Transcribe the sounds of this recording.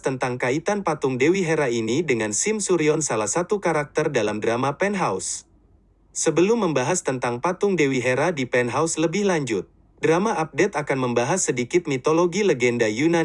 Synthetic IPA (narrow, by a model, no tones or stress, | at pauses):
t̪ənt̪aŋkait̪anpat̪ʊŋdewiɦeɾainidəŋansimsuɾiɔnsalahsat̪ukaɾak̚t̪ərdalamdɾamapɛnɦaus | səbəlʊmːəmbaɦast̪ənt̪aŋpat̪ʊŋdewiɦeɾadipɛnɦausləbɪhlaɲd͡ʒʊt̪̚ | dɾamaʔap̚dɛt̪akanməmbaɦasːədikɪt̪̚mit̪oloɡiləɡɛndajuna